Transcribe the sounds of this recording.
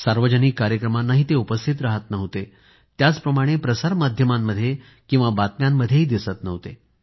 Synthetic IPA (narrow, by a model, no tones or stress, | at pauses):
saɾʋəd͡ʑəniːkːaɾjəkɾəmanːaɦiːt̪eupəst̪ʰit̪̬ɾaɦət̪nəɦt̪e | t̪jat͡spɾəmaɽ̃epɾəsaɾmad̪ʱjəmamːəd̪ʱːje | kĩw̃ʋabat̪̚mjamːəd̪ʱjeɦiːd̪isət̪nəʋt̪ḛ